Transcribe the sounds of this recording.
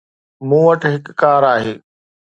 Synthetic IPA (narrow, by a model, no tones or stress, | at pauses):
mũːʋɐʈɦɪkːaːɾaːɦeː